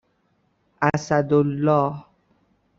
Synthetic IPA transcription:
ʔæsæd̪olːɒːh

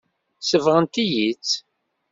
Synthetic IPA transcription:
səvʁənt̪ijit͡sː

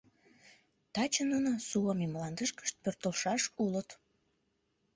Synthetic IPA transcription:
t̪ɑt͡ɕənunosuɑmimlɑnd̪əʃkə̥ʃt̪̚pørt̪əlʃɑʃulət̪

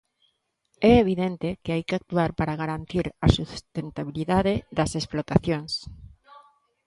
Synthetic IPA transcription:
ɛeβ̞iðent̪ekɪajkeak̚t̪uaɾpaɾaɣaɾant̪iɾasust̪ent̪aβ̞iliðaðeðɐsesplot̪aθjoŋs

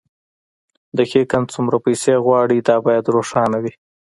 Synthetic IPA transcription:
d̪əxekant͡sʊmɾapajseɣwɑɽid̪ɑbɑjad̪ɾoʂɑnawi

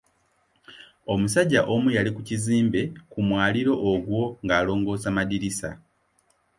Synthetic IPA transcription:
o̞musaɟːaʔo̞mujalikuciziːmbe̞kumwaːliɾo̞ʔːɡwo̞ŋɡaːlo̞ːŋɡo̞ːzamadiɾisa̰

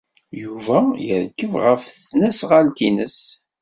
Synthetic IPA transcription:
juvæjəɾkːəvʁəfθnæsʁalt̪inəs

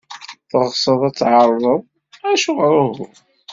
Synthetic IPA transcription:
θəʁsˤəðˤæt͡sːʕɑɾˤðˤəðˤ | æʃuʁɾˤuhʊ

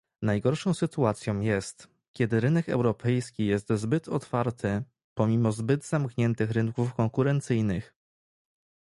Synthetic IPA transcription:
najɡɔɾʂɔ̃w̃sɘt̪uat̪sʲjɔ̃w̃jɛst̪ | kʲɛd̪ɘɾɘnɛkɛ̰wɾɔpʰɛjskʲijɛst̪zbɘt̪ʰɔt̪faɾt̪ʰɘ | pɔmʲimɔzbɘd̪zamkɲɛnt̪ɘxɾɘŋkufkɔŋkuɾɛnt̪sɘjnɘx

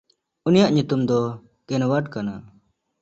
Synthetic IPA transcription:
unijaʔɲut̪umd̪ɔ | kɛnwaʈkana

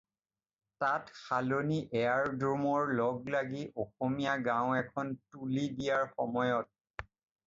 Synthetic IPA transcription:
tatxaloniʔɛjaɹdɹɔmɔɹlɔɡlaɡiʔoxomijaɡãʊ̃ɛkʰɔntulidijaɹxɔmɔjɔt̚

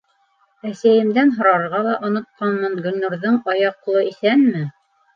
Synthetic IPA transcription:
æsæjɘ̆md̪ænɦŏɾɑɾʁɑlˠɑʔŏnŏt̪̚qɑnmɑnɡɵ̆nːuɾðɤɴɑjɑqlˠɤiθænmɘ

